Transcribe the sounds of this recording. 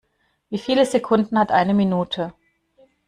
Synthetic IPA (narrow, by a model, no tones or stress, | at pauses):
viːfiːləzekʰʊndn̩hatʔaɪnəminuːtʰə